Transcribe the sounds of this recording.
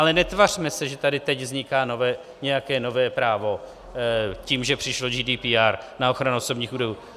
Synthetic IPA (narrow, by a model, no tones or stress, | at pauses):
ʔalɛnɛt̪var̥mɛsɛʒɛt̪adɪt̪ɛɟvzɲɪkaːnovɛː | ɲɛjakɛːno̞vɛːpɾaːvo̞ | ciːmʒɛpr̝̥ɪʃlo̞d͡ʒiːdiːpiːaɾnaoxɾanuoso̞bɲiːxuːdojuː